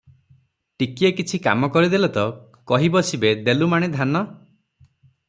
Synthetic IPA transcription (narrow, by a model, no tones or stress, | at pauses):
ʈikiekit͡ʃʰika̰mɔkɔɾid̪elɔt̪ɔ | kɔɦibɔsibed̪elumaɽ̃ed̪ʱanɔ